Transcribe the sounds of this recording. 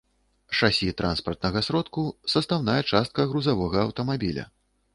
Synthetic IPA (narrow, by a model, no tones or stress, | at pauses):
ʂasʲit̪ɾʔanspɐrt̪nɐɣɐsɾɔt̪kusɐst̪awnajɛt͡ʂast̪̚kɐɣɾuzavɔɣɐːwt̪ɐmabʲilʲɐ̰